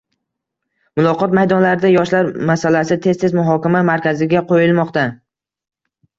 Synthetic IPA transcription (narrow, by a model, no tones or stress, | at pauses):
mʊlˠɒqɒt̪majd̪ɒnlaɾɪd̪ajɒʃlaɾmasalasɪt̪ʰe̞st̪ʰemʊɦɒkʲamamaɾkʲazɪɡʲaqʰojɪlˠmɒqt̪a